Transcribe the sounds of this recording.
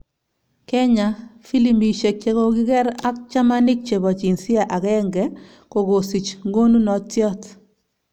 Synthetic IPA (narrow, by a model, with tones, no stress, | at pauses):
kɛ˦ɲa˨fi˦li˨mi˨ʃe˨k̚t͡ʃe˦ko˨kɪ˦kɛ˦ɾa˦k̚t͡ʃa˦ma˦nɪ˦k̚t͡ʃe˨bɔ˨t͡ʃi˨nsɪ˦a˨ʔa˨kɛ˦ŋɡɛ˦ | ko˨ɡo˨si˨t͡ʃŋɡo˦nu˦nɔ˨tjɔ˦t